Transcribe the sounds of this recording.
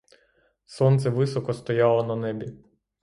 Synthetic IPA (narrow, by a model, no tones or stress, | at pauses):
sɔnt̪sɛʋɪsɔkɔst̪ɔjɑlˠɔnɐnɛbʲi